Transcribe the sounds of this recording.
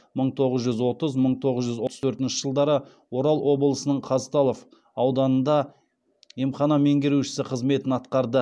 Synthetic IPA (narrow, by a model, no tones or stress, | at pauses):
məɴt̪ʰo̞ʁəzʒʏzwo̞t̪əzməɴt̪ʰo̞ʁəzʒʏzwot̪ət̪ʰɵɾt̪ɪnʃɪ̥ʒ̥əlˠd̪ɑɾə | wo̞ɾɑlˠwo̞blˠəsənəɴqʰɑzt̪ɑlˠof | ɑwd̪ɑnənd̪ɑ | imχɑnɑmeŋɡʲeɾuʃɪ̥sɪqʰəzme̞t̪ɪnɑt̪qɑɾd̪ə